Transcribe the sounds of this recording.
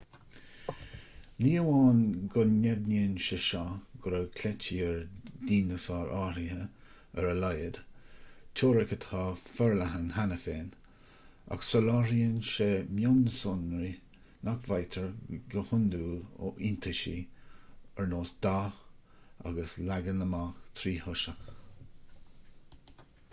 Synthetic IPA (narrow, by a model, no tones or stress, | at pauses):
niːəwaːnɡʊnːɛd̪niːnʃeʃaɡ̥ʊɾəkʰlɛt͡ʃiəɹd̪iːnəsɑːɾʔaːɾiə | ɛɾəlajəd̪ | t͡ʃʰoːɾɛkət̪hɑːfɛɹlaɦənhanəfeːn | a̰ksəlɑːɾiənʃeːmjanəsʊnɾi | nʔakvajt̪ʰəɹɡəhʊnd̪uːlo̰ʔint̪ʰəʃḭ | ɛɹnoːsd̪̥aːx | a̰ɡəslaɡənəmaxt̪ʰɾiːhʊʃəx